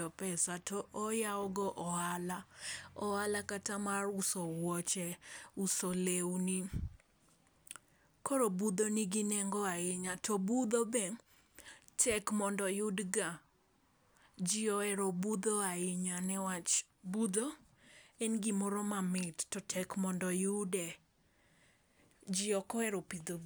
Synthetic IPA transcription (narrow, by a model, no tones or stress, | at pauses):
ɔpɛsatɔʔɔjaɔɡɔʔɔalaɔalakatamarʊsowɔt͡ʃɛʊsolewni | kɔɾobud̪oniɡɪnɛŋɡɔaɪɲatɔbud̪obɛ | tʰɛkmɔndɔjʊdɡa | d͡ʒɪɔɛɾɔbud̪oaɪɲanɛwat͡ʃbud̪o | ɛnɡɪmɔɾɔmamɪttɔtʰɛkmɔndɔjʊdɛ | d͡ʒɪɔkɔɛɾɔpid̪o